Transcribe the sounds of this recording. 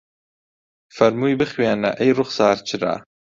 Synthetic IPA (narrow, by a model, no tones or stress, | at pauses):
fɐɾmuːjbɨxweːnɐ̰ʔɛjrʊχsɑːɾt͡ʃʰɪɾa̰